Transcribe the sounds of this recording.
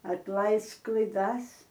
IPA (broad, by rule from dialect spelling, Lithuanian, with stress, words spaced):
ɐtˈlˠɐɪsk klˠɐɪˈdɐs